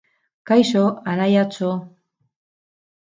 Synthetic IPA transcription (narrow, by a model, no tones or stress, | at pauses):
kajsoanajat͡so